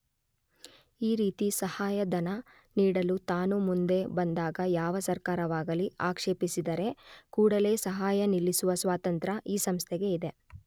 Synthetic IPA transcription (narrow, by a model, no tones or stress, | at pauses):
iːɾiːt̪isɐhaːjɐd̪ɐnɐ | niːɽɐlut̪aːnumund̪e̞bɐnd̪aːɡɐjaːʋɐsɐɾkaːɾɐʋaːɡɐliaːkʂe̞ːpisid̪ɐɾe̞kuːɽɐle̞ːsɐɦaːjɐnilːisuʋɐsʋaːt̪ɐnt̪ɾɐʔiːsɐmst̪ʰɛɡe̞id̪e̞